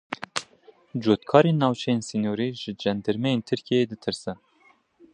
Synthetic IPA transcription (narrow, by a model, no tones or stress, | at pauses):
d͡ʒoːt̪kʰɑːɾeːnːɑːwt͡ʃʰɛjeːnsiːnoːɾiːʒɪd͡ʒɛnd̪ɨɾmɛjeːnt̪ʰɨɾkʰijeːd̪ɨt̪ʰɨɾsɛ